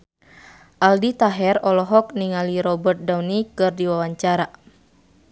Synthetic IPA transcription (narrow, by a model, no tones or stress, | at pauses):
ʔaldit̪aɦɛrɔlɔɦɔk̚niŋaliɾɔbərt̪̚dawnikɨrdiwawaɲt͡ʃaɾa